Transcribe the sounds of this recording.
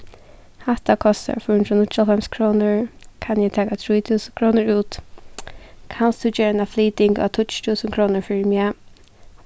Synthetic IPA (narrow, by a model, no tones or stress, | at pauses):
haht̪akʰɔst̪a̰ɹfɔʊnt̪ɾʊnʊt̪alamskʰɹoːnəɹkʰanjɛt̪ʰaːkat̪ʰɹuːjt̪ʰuːsəkʰɹoːnəɹuːt̪ | kʰanst̪ut͡ʃɛːɹɛnafliːt̪ɪŋka̰t̪ʰʊtt͡ʃt̪ʰuːsənkʰɹoːnəɹfɪɹmja